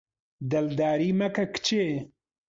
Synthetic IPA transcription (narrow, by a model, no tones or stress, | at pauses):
d̪ɐld̪aːɾiːmɐkɐkt͡ʃeː